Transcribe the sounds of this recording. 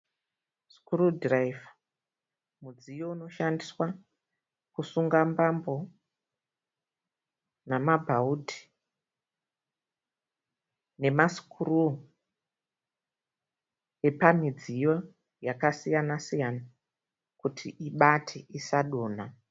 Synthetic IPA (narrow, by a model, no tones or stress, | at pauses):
skurudraiva | mud͡zijo̞uno̞ʃandiswa | kusuŋɡambambo̞ | namabʱautʰi̥ | ne̞maskuru | e̞pamid͡zijo̞ | jakasijanasijana | kutʰiʔiɓatʰeʔisaɗoːna